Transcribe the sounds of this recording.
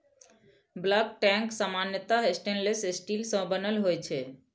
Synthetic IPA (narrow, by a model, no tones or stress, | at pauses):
blək̚ʈɛ̃ŋksamanjət̪aesʈẽnɖlesesʈilsə̃bənəlɦojt͡ʃʰɛ